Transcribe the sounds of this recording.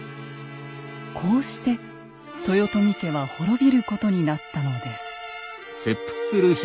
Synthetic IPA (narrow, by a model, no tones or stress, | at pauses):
kʰo̞ːɕi̥t̪e̞ | t̪o̞jo̞t̪o̞mʲik̪e̞βaho̞ɾo̞bʲiɾɯ̟ko̞t̪o̞ɲ̟inat̪ːano̞d̪e̞sɨ̥ | se̞pːɯ̥t͡sɨ̥sɨɾɯ̟ç